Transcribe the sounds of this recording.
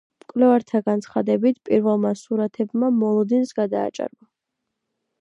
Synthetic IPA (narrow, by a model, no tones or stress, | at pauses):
mkʼlɛvaɾt̪ʰaɡant̪sʰχad̪ɛbit̪ʰpʼiɾvɛlˠmasuɾat̪ʰɛbmamɔlˠɔd̪insɡad̪a̰ːt͡ʃʼa̰ɾba